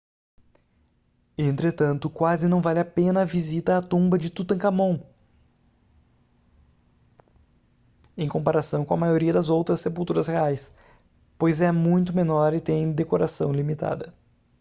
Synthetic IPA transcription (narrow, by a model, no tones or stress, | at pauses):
ẽnt̪ɾet̪ɐ̃nt̪ʊkwazɪnɐ̃w̃valɪapẽnɐːvizit̪ɐːt̪ũbɐd͡ʒɪt̪ut̪ɐ̃kamõw̃ | ẽj̃kõpaɾasɐ̃w̃kõɐmajoɾiɐd̪ɐzowt̪ɾɐsːepulˠt̪uɾɐsheajs | pojzɛmũj̃t̪ʊmenɔɾit̪ẽj̃d̪ekoɾasɐ̰̃w̃limit̪a̰d̪ɐ